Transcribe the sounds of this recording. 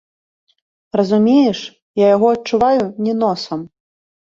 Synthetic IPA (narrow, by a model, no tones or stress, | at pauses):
rɐzumʲejɛʂ | jajaɣɔɐtt͡ʂːuvajunʲɛnɔsɐm